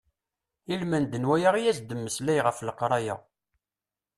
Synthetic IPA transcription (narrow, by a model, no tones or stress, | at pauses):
ilmænd̪ənwæjaʁijæzd̪əmːəslæjʁəfləqɾˤɑja̰